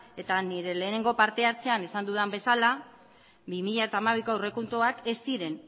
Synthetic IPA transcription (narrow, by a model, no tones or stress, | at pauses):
e̞t̪aniɾe̞le̞ːne̞ŋɡo̞paɾt̪e̞aɾt͡se̞ane̞sand̪uðambe̞sala | bimiʎae̞t̪aːmaβ̞ikaure̞kunt̪oake̞siɾe̞n